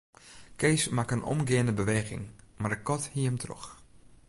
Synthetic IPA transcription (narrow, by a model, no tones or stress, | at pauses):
keːsmakənʔɔ̰mɡɪəndəbəʋeːɣɪ̰ŋmarəkʰːɔthiəmtro̰x